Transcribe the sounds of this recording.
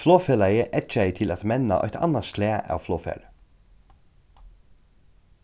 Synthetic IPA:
floːfelæɪəʔɛt͡ʃæɪt̪ʰɪlɑt̪mɛnɑ̰ʔɑ̰t̪ʰɑ̰nɑst̪leːʔɑ̰ːʋfloːfḛɾ

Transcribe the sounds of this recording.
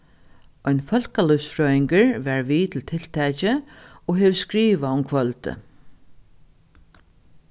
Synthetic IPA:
ɔjnfœl̥kalʊfsfɹɔːɪŋkəɹʋɛɹʋiːt̪ʰɪlt̪ʰɪl̥t̪ʰɛːt͡ɕɪɔɦɛʋskɾiːʋaʊmkʰvœlt̪ə̰

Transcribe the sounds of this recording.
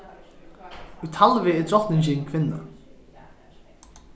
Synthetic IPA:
ujt̪ʰalvɪɛt̪ʰɾɔht̪nɪnt͡ɕɪkʰvɪnːa̰

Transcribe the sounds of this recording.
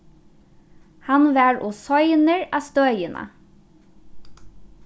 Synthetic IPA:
hɑnʋæːɹʔoːsɔʏnəɹɑːst̪œːjənʔɑ̰

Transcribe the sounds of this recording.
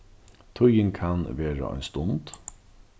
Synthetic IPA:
t̪ʰʊjəŋkʰɑnʋeːɹə̰ɑ̰nst̪ʊnd̪

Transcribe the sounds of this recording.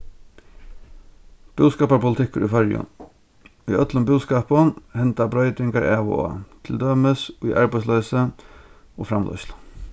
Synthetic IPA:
b̥uːskɑːpaɾpʰʊlɪt̪ʰɪkʊ̰ɾḭfœɹjʊ̰n | ḭʔœt̪lʊmbuːskɑːpɔnhɛnt̪abɾœʏt̪ɪŋkaɾæːʋʊ̰o̰t̪ʰɪld̪øːməsʊjʔaɹbaɪslœːsə | ofɾamlœ̰ʏslə

